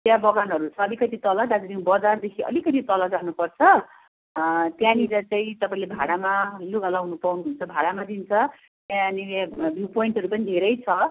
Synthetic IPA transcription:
t̪jabʌɡanɦʌɾut͡sʰʌːlikʌt̪it̪ʌlʌd̪ad͡zʌd̪ĩbʌd͡zard̪ekʰiʔʌ̰likʌt̪it̪ʌlʌd͡zaɦnupʌrt͡sʰʌ | t̪jãniɾʌt͡saĩt̪ʌpaĩlebʱaɽamaluɡʌlawnupawniɦunt͡sʰʌbʱaɽamad̪int͡sʰʌ | t̪jãniabʱjupoiɳʈɦʌɾupʌnid̪ʱeɾʌjt͡sʰʌ

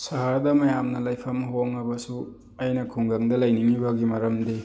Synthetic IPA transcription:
saɦaɾdɐmɐjamnɐlɐjpʰɐmɦoŋɐbɐsu | ɐjnɐkʰuŋɡɐŋdɐlɐjniŋibɐɡimɐɾɐmde

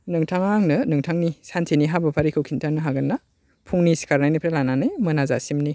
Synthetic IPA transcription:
nɯŋtʰaŋaŋnɯnɯŋtʰaŋnisantʰeniɦabɐpʰaɾikʰɯwkʰintʰanɯɦaɡɯnːa | pʰuŋnisi̥kaɾnajnipʰɾelananɯjmɯnaza̰simni

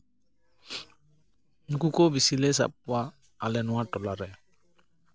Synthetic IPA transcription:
nukukɔbisilɛsa̰p̚kɔwa | alɛnʊwatɔlaɾɛ

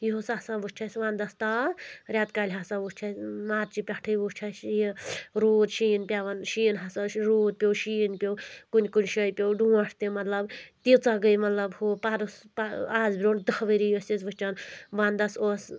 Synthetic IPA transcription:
joosaːsãʋut͡ʃʰasʋãːnd̪ɐst̪aɾʲaːt̪kaːlʲɦaːsãʋust͡ʃʰasmaːɾt͡ʃipʲaʈʰəjʋut͡ʃʰasjeɾoːd̪ʃinpʲjaʋɐnʃiːnɦasaɾoːd̪̚pʲowʃiːnpʲowkunʲkunʲʃəjpʲjowɖũːɐʈʰt̪imɐt̪lɐbt̪it͡saɡəjmɐt̪lɐbhopaɾuspaaːzbɾʲoɳd̪ɐhʋəɾijosit͡sʋɨt͡ʃanʋãːnd̪ɐsos

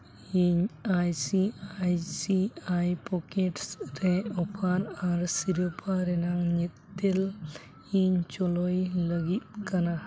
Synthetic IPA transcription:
iɲajsiajsiajpɔkeʈsɾɛɔpʰaɾaɾsiɾɔpʰaɾɛnaŋɲit̪ːel | iɲt͡ʃɔlɔjləɡit̪̚kana

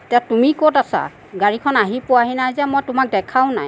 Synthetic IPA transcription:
tɛtumikotasa̰ | ɡaɹikʰɔnaɦipʊaɦinajzɛmɔjtʊmak̚dɛkʰaʊna̰j

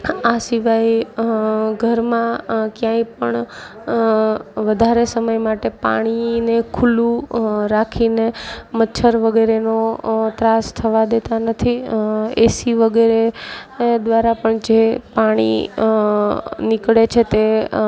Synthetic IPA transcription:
asiʋaij | ɡʱəɾmãkjãĩpəɳ | ʋəd̪ʱaɾesəməjmaʈepa̰ɽ̃inekʰulũɾakʰinemətːʃʰəɾʋəɡeɾenot̪ɾast̪ʰəʋad̪et̪anət̪ʰiesiʋəɡeɾe | d̪ʋaɾapəɳd͡ʒepaɽ̃ḭ | nɪkɽet͡ʃʰet̪e

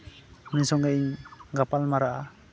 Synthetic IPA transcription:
nisɔŋeiŋɡapalmaɾaʔa

